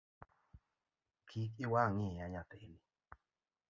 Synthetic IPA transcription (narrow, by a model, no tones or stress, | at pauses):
kʰikiwaŋɪaɲapeni